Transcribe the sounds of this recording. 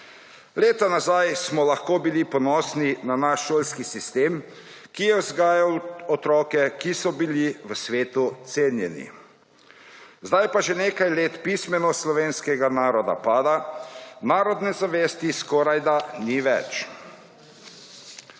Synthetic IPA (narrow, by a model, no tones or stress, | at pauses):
leːt̪anazajsmɔlaxkoːbilipɔnɔːsninanaʃʃoːlskisist̪eːm | kijɛɔzɡaːjawɔt̪ɾɔːkɛkisɔbiliʋəsʋeːt̪ut̪seːnjɛnḭ | zd̪ajpaʒeneːkajleːt̪pismɛnɔslɔʋeːnskɛɡanaːɾɔd̪a̰paːd̪anaːɾɔd̪nɛzaʋeːst̪iskɔːɾajd̪aniʋɛ̰t͡ʃ